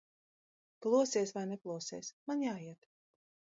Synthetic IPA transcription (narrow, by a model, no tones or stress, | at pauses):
klˠuɔsiɛsvajnɛklˠuɔsiɛsmanjaːiɛt̪